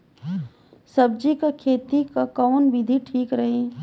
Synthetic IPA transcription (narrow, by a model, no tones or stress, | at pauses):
sɐb̚d͡ʒikakʰeːt̪ikakɔːnʋɪd̪ʱiʈʰiːkɾɐɦi